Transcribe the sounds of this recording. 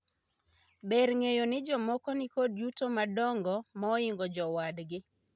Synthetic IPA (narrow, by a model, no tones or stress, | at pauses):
beɾŋejonɪd͡ʒɔmɔkɔnɪkodjutomadɔŋɡɔmɔɔiŋɡɔd͡ʒɔwadɡɪ